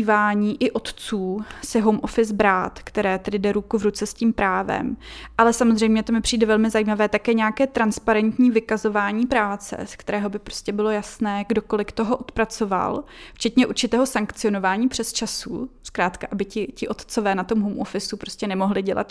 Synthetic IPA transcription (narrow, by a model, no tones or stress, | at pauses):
iːvaːɲiːʔɪʔo̞t̪t͡suːsɪɦowmʔofɪsbɾaːt̪kt̪ɛɾɛːt̪ɛdɪdɛɾukuvɾut͡sɛsciːmpɾaːvɛ̰mʔalɛsamozrɛjmɲɛt̪o̞mɪpr̝̥iːdɛvɛlmɪzajiːmavɛːt̪akɛːɲɛakɛːt̪ɾanspaɾɛnt̪ɲiːvɪkazo̞vaːɲiːpɾaːt͡sɛ̰skt̪ɛɾɛːɦo̞bɪpɾo̞̥scʲɛbɪlo̞jasnɛːɡdo̞ko̞lɪkt̪oɦoʔot̪pɾat͡so̞va̰lft͡ʃɛt̪ɲɛʔuɾt͡ʃɪt̪ɛːɦo̞saŋkt͡sɪo̞no̞vaːɲiːpr̝̥ɛst͡ʃasṵskɾaːt̪kaʔabɪcɪcɪʔo̞t̪t͡so̞vɛːnat̪o̞mɦowmʔofɪsupɾo̞scʲɛnɛmo̞ɦlɪɟɛla̰t̪